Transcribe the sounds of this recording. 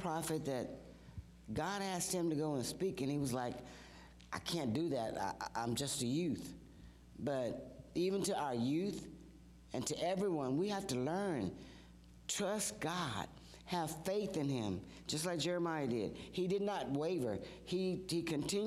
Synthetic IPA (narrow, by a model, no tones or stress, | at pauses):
pʰɹ̥ɑfɨt̪̚ðɨt̚ | ɡ̥ɑɾæst̚hɨ̃mtɨɡoʊə̃nspikɨ̃niwʌzlaɪk | ʔaɪkʰæ̃nd̥ɨðæta̰ʔʔã̰ɪ̃md͡ʒʌstɨjʉθ | b̥ʌɾivɨ̃ntɨaʊə˞jʉθ | ɨ̃ntʰɨʔɛvɹiwʌ̃nwihæftɨlɜ̃˞n | tʰɹ̥ʌst̚ɡ̥ɑd̥̚ | hɨv̥feɪθɨ̃nɪ̰̃m | d͡ʒʌstˡlaɪk̚ʒ̥ɛɹɨmaɪɨdɪ̰d̥̚idɨdⁿnət̚weɪvə̰˞ | ihikʰɨ̃ntʰɪ̃n